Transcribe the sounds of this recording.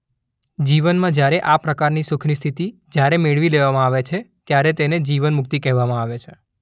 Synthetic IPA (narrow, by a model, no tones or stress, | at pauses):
d͡ʒiʋənmãd͡ʒjaɾeʔapɾəkaɾnisʊkʰnist̪ʰit̪id͡ʒjaɾemeɭʋileʋamãaʋet͡ʃʰet̪jaɾet̪ened͡ʒiʋənmʊk̚t̪ikɛɦʋamãaʋet͡ʃʰe